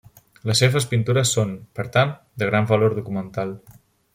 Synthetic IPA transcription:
ləsːeβəspint̪uɾəsːonpəɾt̪an | d̪əɣ̞ɾaɱvəloɾðukumənt̪alˠ

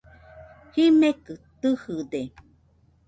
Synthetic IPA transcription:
himekɨt̪ɨhɯd̪e

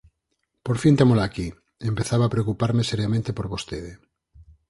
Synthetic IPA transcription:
poɾfint̪emolaki | empeθaβaːpɾeokupaɾmeseɾjamẽnt̪epoɾβost̪eðe

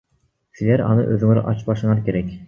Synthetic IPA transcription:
silʲeɾɑ̰nɯʔøðyŋyɾ̰ʔɑt͡ʃpɑʃɯɴɑkʲʰeɾɛkʲ

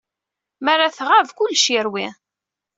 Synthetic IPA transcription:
mærːaθʁavkʊlːʃiɾwi

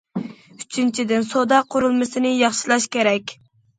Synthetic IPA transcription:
yt͡ʃʰint͡ʃʰid̪ɪnsod̪ɑqʰʊɾulˠmɨsɨnɪjɑχʃilˠɑʃkʲeɾɛkʲ

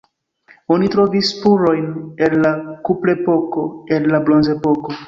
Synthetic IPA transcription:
onitɾo̞vispuɾo̞jnenlakuple̞po̞koenlablonze̞po̞ko̞

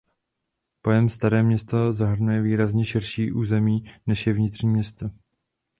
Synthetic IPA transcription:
pojɛmst̪aɾɛːmɲɛst̪ozaɦr̩nujɛviːɾazɲɛʃɪɾʃiːʔuːzɛmiːnɛʃjɛvɲɪt̪r̥ɲiːmɲɛst̪o

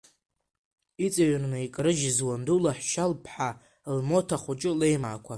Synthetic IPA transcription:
it͡sʼaɥarnɨikʼrɨʒzwandulaħʷʃalpʰħa | lmo̞tʰaχʷut͡ʃʼɪlejma̰ːkʷʰa

